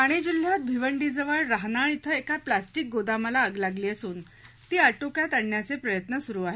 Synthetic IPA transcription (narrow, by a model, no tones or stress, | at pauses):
aɽ̃id͡ʑul̤jat̪̚bʱiʋəɳɖid͡zəʋəɭɾaɦnaɭ̃it̪ʰəekaplasʈik̚ɡod̪aməlaəɡlaɡliːəsuːn | t̪iːaʈokjat̪əɳːjat͡sepɾəjət̪nəsuɾuːaɦe